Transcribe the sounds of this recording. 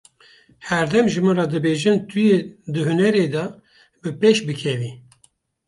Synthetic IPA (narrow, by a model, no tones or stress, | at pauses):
hɛɾd̪ɛmʒɨmɨrɑd̪ɨbeːʒɨnt̪ʰɨjed̪ɨɦɨnɛɾeːd̪ɛ | bɨpeʃbɨkʰɛvi